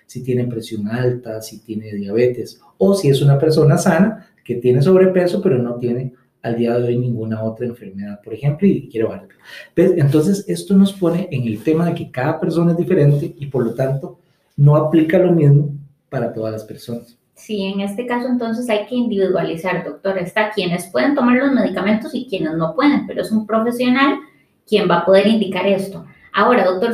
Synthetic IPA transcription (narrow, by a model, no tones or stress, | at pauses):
sit̪je̞nepɾe̞sjo̞ŋalt̪asit̪je̞neðjaβe̞t̪e̞s | osie̞sunape̞ɾso̞nasana | ke̞t̪je̞ne̞s̬o̞βɾe̞pe̞so̞pe̞ɾo̞no̞t̪je̞ne̞ | ald̪iaðeojnĩŋɡunao̞t̪ɾaeɱfe̞ɾmeðaðpo̞ɾe̞xe̞mploikje̞ɾeβahaɾd̪eopesent̪̬o̞ns̬e̞se̞st̪ono̞spo̞ne̞ʔeŋe̞lt̪e̞maðeke̞kaðape̞ɾso̞nae̞zd̪ife̞ɾe̞nt̪e̞ipoɾlo̞t̪ant̪o̞ | no̞aplikalomizmo | paɾat̪o̞ðalaspeɾso̞nas | sieŋe̞st̪e̞kaso̞e̞nt̪o̞ns̬e̞sajke̞ind̪iβiðwalisaɾd̪o̞k̚t̪o̞ɾaest̪akje̞ne̞spwe̞ðe̞nt̪o̞maɾlo̞zme̞ðikamẽ̞nt̪o̞sikje̞ne̞zno̞pwe̞ðe̞mpeɾoesumpɾo̞fe̞sjo̞nal | kje̞mbapo̞ðe̞ɾind̪ikaɾe̞st̪o̞ | ao̞ɾaðok̚t̪o̞ɾ